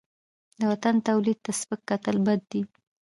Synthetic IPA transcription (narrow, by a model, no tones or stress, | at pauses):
d̪əwat̪ant̪awlid̪̚t̪aspəkːat̪əlbad̪̚ːi